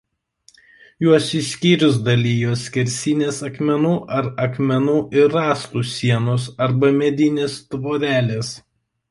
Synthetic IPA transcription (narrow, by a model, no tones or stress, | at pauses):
juɔsɪʃsʲkʲiːɾʲʊs̬d̪ɐlʲiːjoskʲɛɾʲsʲɪnʲeːsɐkmʲɛnuːʔɐɾɐkmʲɛnuːʔɪɾɑːst̪uːsʲiɛnosɐɾbɐmʲɛd̪ʲɪnʲeːst̪ʋoːɾʲæːlʲeːs